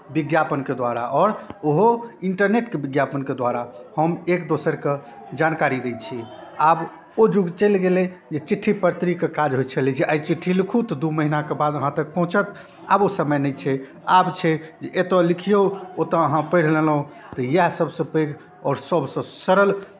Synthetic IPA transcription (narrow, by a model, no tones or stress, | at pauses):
biɡjapənked̪waɾa̰ʔɔːɾoɦoiɳʈəɾneʈkebiɡjapənked̪waɾahəmekd̪osəɾke | d͡ʒankaɾid̪et͡ʃʰiab | od͡ʒuɡt͡ʃəjlɡelɛ | d͡ʒet͡ʃiʈʰːipəɾt̪ɾikekad͡ʒɦojt͡ʃʰəlid͡ʒeʔajt͡ʃiʈʰːilikʰut̪d̪uməɦinakebad̪əɦãt̪ək̚pəɦũt͡ʃət̪ | abosəməjnɛjt͡ʃʰɛ | abt͡ʃʰɛd͡ʒeʔet̪əlikʰijoot̪əəɦãpəjɽ̤lelũ | t̪ɔjasəbsə̃pəjɡ | ɔːɾsəbsə̃səɾəl